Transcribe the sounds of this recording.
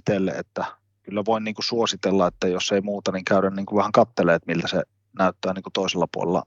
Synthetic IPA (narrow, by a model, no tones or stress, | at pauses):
t̪elːḛḛt̪ːæ | kylːæʋoˑinniːŋkusuosit̪elːɑet̪ːæjosːeˑimuːt̪ɑniŋkæˑyɾænniːŋkuʋæhæŋkɑt̪ːeleːt̪milt̪æse | næˑyt̪ːæːniːŋkut̪oˑiselːɑpuo̰lḛlːɑ̰